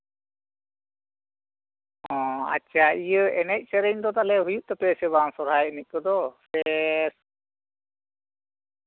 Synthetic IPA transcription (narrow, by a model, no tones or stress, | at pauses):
ɦɔ̃a̰t͡ʃːaijəɛnɛc̚ˀsɛɾɛɲd̪ɔt̪alɛɦujuʔt̪ɛpɛsɛβaŋsɔɾajnic̚ˀkɔd̪ɔsɛs